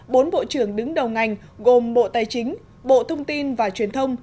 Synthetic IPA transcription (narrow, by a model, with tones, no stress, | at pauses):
ɓo˨˦nɓo̰˧˨t͡ɕɨ˧˩əŋɗɨ˨˦ŋɗə˨˩wŋa˨˩jŋ̟ | ɣo˨˩mɓo̰˧˨t̪aː˨˩jt͡ɕï˨˦ŋ̟ | ɓo̰˧˨t̪ʰə˧wŋ͡mt̪i˧nvaː˨˩t͡ɕwi˨˩ənt̪ʰə˧wŋ͡m